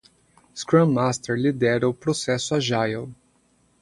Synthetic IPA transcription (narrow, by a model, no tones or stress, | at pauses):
skɾɐ̃mːast̪eɾlid̪ɛɾɐʊpɾosɛsʊaʒajel